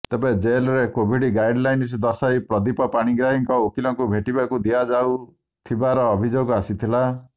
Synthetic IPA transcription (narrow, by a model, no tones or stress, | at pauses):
t̪ebed͡ʒelɔɾekobʱiɽiɡajɖlajns̬d̪ɔsajpɾɔd̪ipɔpaɽ̃iɡɾaɦiŋkɔokilɔŋkubʱeʈibakud̪iad͡ʒaw | t̪ʰibaɾɔːbʱid͡ʒoɡɔasit̪ʰila